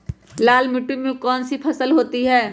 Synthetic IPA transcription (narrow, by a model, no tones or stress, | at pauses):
laːlmɪʈːumẽkɔːnsipʰɐsəlɦoːt̪iɦɛː